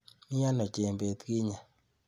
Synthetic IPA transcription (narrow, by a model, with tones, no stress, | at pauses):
mi˦a˦nɔ˨t͡ʃe˨mbe˨t̪ki˦ɲa˨